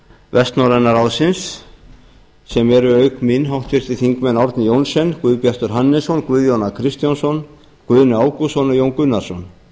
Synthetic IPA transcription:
vɛst̪nɔɾɛnaɾawðsɪns | ɛmɛɾʏœːɥkmɪnɦawht̪fɪr̥t̪ɪθiŋkmɛnaɔɾt̪nɪjownsɛnkvʏðpjar̥t̪ʏɾ̥ɦanːɛsɔnkvʏðjownakʰɾɪst̪jansɔn | kvʏðnɪaːwkusɔnajownkʏnːaɾ̥sɔn

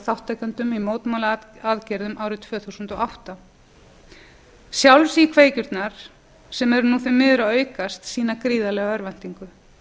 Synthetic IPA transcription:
θawht̪ːajkant̪ʏmimoːwt̪mawlaaðcɛɾðʏmaːwɾɪt̪ʰv̥œːθuwsʏnt̪ɔawht̪a | sjawlsikʰveːjcʏɾt̪naɾ̥ | sɛmɛɾʏnufɪɾmɪːðʏɾaœːɥkast̪siːnakɾiːðalɛːɣaœɾvɛn̥t̪iŋkʏ

